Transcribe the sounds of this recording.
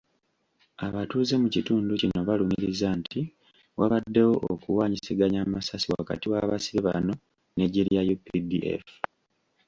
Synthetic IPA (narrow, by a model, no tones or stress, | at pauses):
aβatuːze̞mucituːnducino̞βaluɲiɾizantʰi | waβadːe̞wo̞ʔokuwaːɲisiɡaɲaːmasasiwa̰ka̰tiwaβasiɾiβa̰no̞ | ne̞ɟiɾjajupidḭʔḛf